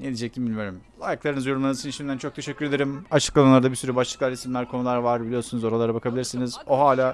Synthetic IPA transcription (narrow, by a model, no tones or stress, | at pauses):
ned̪id͡ʒɛc̚t̪ʰʲimbilʲmijo̞ɾumlˠajɯklˠaɾɯnɯzjoɾumanɯzt͡ʃʰɯnʃimd̪ænt͡ʃʰo̞k̚t̪ʰe̞ʃɛcːyɾe̞d̪eɾimat͡ʃʰɯ̥klˠananˠaɾd̪abisyɾybaʃlˠɯklˠaɾisimlʲæɾkʰo̞nulˠaɾvaɾbilʲijo̞ɾsunuzo̞ɾalˠaɾabakʰabilʲiɾsinizo̞ɦaːlʲaː